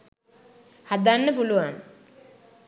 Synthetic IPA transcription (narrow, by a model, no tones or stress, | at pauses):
had̪anːəpuluʋaŋ